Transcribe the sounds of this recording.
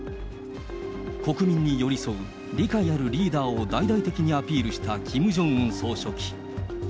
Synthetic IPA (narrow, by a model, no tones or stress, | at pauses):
ko̞kɯ̟mʲĩɲ̟ːijo̞ɾʲiso̞ɯ̟ | ɾʲikaiaɾɯ̟ɾʲiːd̪aːo̞d̪aid̪ait̪e̞kʲiɲ̟iapʲiːɾɯ̟ɕi̥t̪akʲʰimɯ̟ʑõ̞ɯ̃ɰ̃so̞ːɕo̞kʲi̥